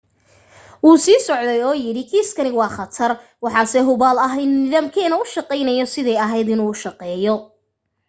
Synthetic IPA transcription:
ʔuːsiːsɔʕd̪ɛjɔːjɪɽɪkʰiːskʰɐnɪwɑːχɑt̪ʰɐr | wɑħɑːsɛɦʊβaːlɐɦɛjnːɪðɐmkʰɛːnɐʊʃɑqɛjnɛjɔsɪðɛjɐɦɛjd̪ɪnuːʊʃɑqɛːjɔ

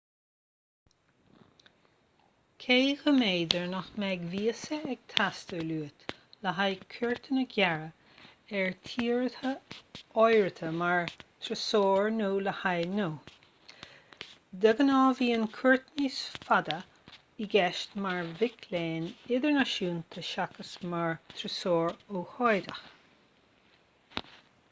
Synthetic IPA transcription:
kʰeːxəmeːd̪əɹnɔxmɛɡviːəsəɛɡ̥̚t̪ʰast̪əluːət̪ləɦajkʰəɹt̪ʰənəɡʲɛɹə | ɛɹt̪ʰiːɹətəɔjɹət̪ʰəmaɹt̪ʰɾəsoːɹnuːləhajnoː | d̪əɡənɔːviːənkʰʊɹt̪niːsfad̪ə | iɡɛʃtmaɹvɪkʰleːnɪðəɹnaʃuːnt̪ʰəʃakəsmaɹt̪ʰɾəsoːɹoːhɔjd̪əx

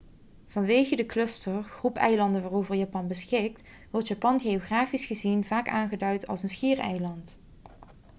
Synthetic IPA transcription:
v̥ɑnʋejɣədəklɵstəɹχrupɛ̰jlɑndənʋaːrowvəɹjaːpɑnbəsxɪk̚t | ʋɔɹtjaːpɑnɣeoχraːfisχəzinvaːkaːnχədœɥtɑ̰lˠsənsχiːrɛ̰jlɑnt

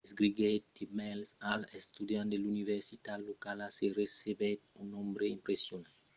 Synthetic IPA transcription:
esɡɾiɡet̪̚d̪imɛlsalɛst̪ud̪jãnd̪eluniveɾsit̪ad̪lokalaseresebet̪ũnõmbɾeĩmpɾesjonã

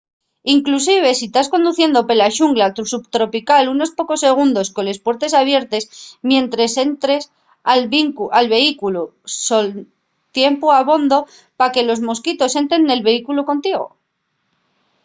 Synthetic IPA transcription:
iŋklusiβ̞e̞sit̪asko̞nd̪uθje̞nd̪o̞pe̞laʃuŋɡlat̪usupt̪ɾo̞pikaluno̞spo̞ko̞sːe̞ɣ̞und̪o̞sko̞nle̞spwe̞ɾt̪e̞saβ̞je̞ɾt̪e̞smjẽ̞nt̪ɾe̞se̞nt̪ɾe̞s | alβiŋkuʔalβe̞ikuluso̞l | t̪je̞mpuaβo̞nd̪o̞ | pake̞lo̞zmo̞skit̪o̞se̞nt̪ɾe̞nːe̞lβe̞ikuluko̞nt̪iɣ̞o̞̰

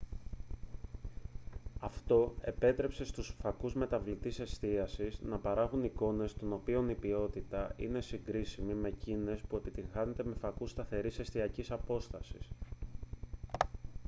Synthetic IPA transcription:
ɐft̪o̞e̞̰pe̞t̪ɾe̞pse̞st̪usfɐkuzme̞t̪ɐvlit̪ise̞st̪iɐsiznɐpɐɾɐɣuniko̞ne̞st̪o̞no̞pio̞nipio̞t̪it̪ɐḭne̞siŋɡɾisimime̞cine̞spue̞pit̪iŋxɐne̞t̪e̞me̞fɐkust̪ɐθe̞ɾise̞st̪iɐcisɐpo̞st̪ɐsi̥s

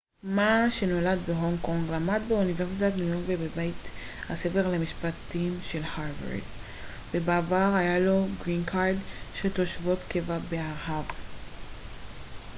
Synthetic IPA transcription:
maʃe̞no̞lad̪beɦo̞ŋko̞ŋɡlamad̪beunive̞ʁsitatnujoʁkvebebajt | hase̞veʁlamiʃpat̪imʃelhaʁva̰ʁd | be̞baːvaʁhajalo̞ɡʁinkʰaɾdʃet̪o̞ʃvo̞t̪kevabeaʁɦav

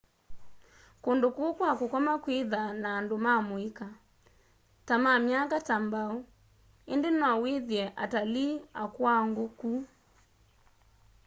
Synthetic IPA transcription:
kondokokwakokɔmakwiðanaːndomamoika | tamamjakatambao | endenɔaweðjɛʔataliakwaŋɡoku

